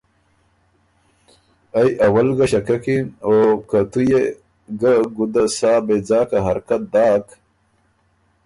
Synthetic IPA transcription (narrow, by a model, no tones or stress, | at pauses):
ajʔɐwɐlɡɐɕɐkɐkiokat̪uje | ɡaɡud̪asaːbed͡zaːkaɦɐɾkɐt̪̚d̪aːk